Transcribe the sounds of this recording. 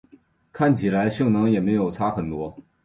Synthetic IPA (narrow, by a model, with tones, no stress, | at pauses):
kʰa˥˩nt͡ɕʰi˨˩la˧˥ɪɕɤ˥˩ŋnɤ˧˥ŋjɛ˨˩me˧˥ɪjo˨˩ʊt͡sʰa˥xə˨˩nt̪wɔ˥